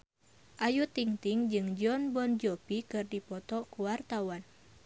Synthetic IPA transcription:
ʔajut̪iŋt̪iŋd͡ʒɨŋd͡ʒɔnbɔnd͡ʒɔpikɨrdipɔt̪ɔkuwart̪awan

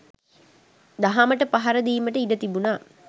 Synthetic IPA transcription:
d̪aɦaməʈəpaɦaɾəd̪iːməʈəid̪ət̪ibunaː

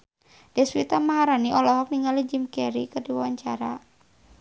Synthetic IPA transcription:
d̥ɛswit̪amaɦaɾaniʔɔlɔɦɔk̚niŋalid͡ʒimkɛɾḭkədiwawaɲt͡ʃaɾa

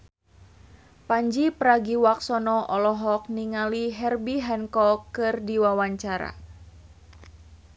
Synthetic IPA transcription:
paɲd͡ʒipəɾaɡiwaksɔnɔʔɔlɔɦɔk̚niŋaliɦɛrbiɦɛnkɔkːɨrdiwawaɲt͡ʃaɾa̰

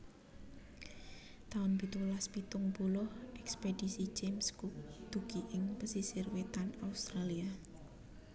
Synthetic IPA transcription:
t̪aʊnpit̪ulaspit̪ʊŋpulʊhʔɛkspedisid͡ʒemskuk̚d̪̥uɡ̥iʔɪŋpəsisirwet̪anaust̪ɾalia

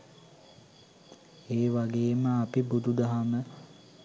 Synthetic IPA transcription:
eːʋaɡeːməapibud̪ud̪aɦamə

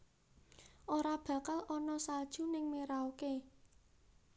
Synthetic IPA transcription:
ʔoɾab̥ä̤kəlɔnɔsald̥ʒ̥ṳnɪŋmeɾaoke

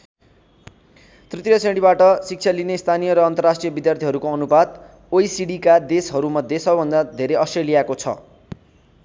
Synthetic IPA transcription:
t̪rit̪rjʌsẽɽibaʈʌsik̚t͡sʰjalinest̪ʰanijʌɾʌːnt̪ʌrasʈrijʌbid̪jart̪ʰiɦʌɾukoʌnubad̪̚ | ojsiɽikad̪esɦʌɾumʌd̪ʱjesʌbʌbʱʌnd̪ad̪ʱeɾeʌsʈrelijakot͡sʰʌ̰

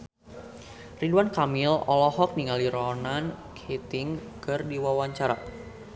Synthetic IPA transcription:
riduankamilɔlɔhɔk̚niŋaliɾɔnankʰet̪iŋkɨrdiwawaɲt͡ʃaɾa

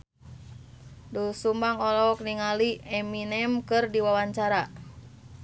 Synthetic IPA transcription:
dusumbaŋɔlɔk̚niŋaliɛminɛmkɨrdiwawaɲt͡ʃaɾa

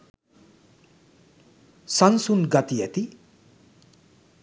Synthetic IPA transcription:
sʌnsunɡʌt̪ijʌt̪i

